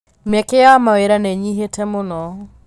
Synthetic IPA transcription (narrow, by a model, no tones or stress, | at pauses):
mɛkeamaweɾanɛɲiɦetʰɛmonɔ